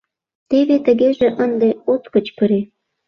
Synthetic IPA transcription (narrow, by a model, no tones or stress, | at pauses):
t̪eβet̪ə̆ɣeʒĕʔənd̪eot̪kə̆t͡ɕkəɾe